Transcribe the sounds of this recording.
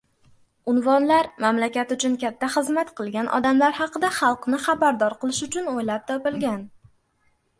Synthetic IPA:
ʊnvɒnlaɾmamlakʲat̪ʊt͡ʃʰʊnkʲat̪ʰːaχɨzmat̪qʰɨlˠɡʲanʔɒ̰d̪amlaɾhɑqɨd̪aχɑlˠqnɪχɑbaɾd̪ɒɾqɨlˠɪʃʊt͡ʃʰʊnojlap̚t̪ʰɒpɪlɡʲan

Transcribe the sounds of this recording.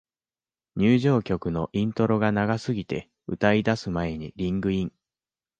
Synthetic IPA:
ɲ̟ɨːʑo̞ːkʲo̞kɯ̟no̞ʔĩnt̪o̞ɾo̞ɡanaɡasɨɡʲit̪e̞ | ɯ̟t̪aid̪asɨmae̞ɲ̟iɾʲĩŋɡɯ̟ĩŋ

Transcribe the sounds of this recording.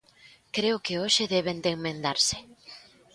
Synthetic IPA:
kɾeʊkɪoʃɪðeβend̪eŋmẽnd̪aɾsɪ̥

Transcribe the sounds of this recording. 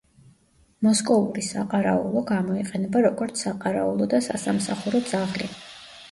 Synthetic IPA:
mɔskʼɔvuɾisaqʼaɾa̰ṵlˠɔɡamɔiqʼɛnɛbaɾɔɡɔɾt̪sʰaqʼaɾaulˠɔd̪asasamsaχuɾɔd̪zaʁli

